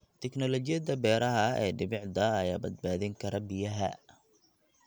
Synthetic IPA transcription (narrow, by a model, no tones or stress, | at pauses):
t̪ʰɛknɔlɔt͡ʃɪjɐd̪ɐbɛːɾɐɦɐɛ̰ːɖɪβɪʕd̪ɐːjaːbɐd̪̚baːðɪŋkʰɐɾɐbɪjɐɦɐ̰